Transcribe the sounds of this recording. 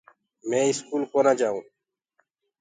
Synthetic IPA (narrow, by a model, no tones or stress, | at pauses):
mẽːɪskuːlkoːnaːd͡ʒaːũː